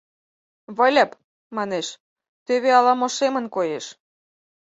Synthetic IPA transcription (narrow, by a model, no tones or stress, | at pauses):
βəlʲɑp | mɑneʃ | t̪eβeɑlɑmoʃemənkojeʃ